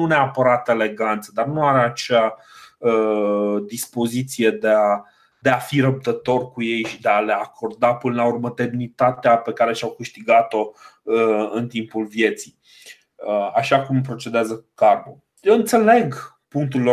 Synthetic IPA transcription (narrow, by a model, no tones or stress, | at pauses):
uneapəɾat̪e̞le̞ɡant̪səd̪arnuaɾeat͡ʃea | əd̪ispo̞zit̪sije̞d̪ea | d̪e̞afiɾəp̚t̪ət̪o̞rkuje̞jʃid̪eale̞akʰo̞rd̪apɨnəlaurməd̪e̞mnit̪at̪eape̞kaɾe̞ʃawkɨʃt̪iɡat̪o̞ | ɨnt̪impulvje̞t̪sij | əaʃakump̬ɾo̞t͡ʃed̪eazəkkarmu | jewɨnt̪se̞le̞ɡ | puŋk̚t̪uɾilo